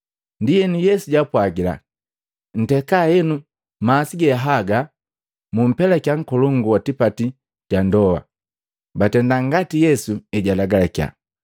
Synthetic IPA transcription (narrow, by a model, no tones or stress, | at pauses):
ndijɛnujɛsuɟapwaɡila̰ | n̩tɛkajɛnu | maːsiɡɛaɦaɡa | mum̩pɛlakjaŋ̩kɔlɔŋɡuwatipati | ɟandɔwa̰ | batɛndaŋɡatijɛsuɛɟalaɡalakja̰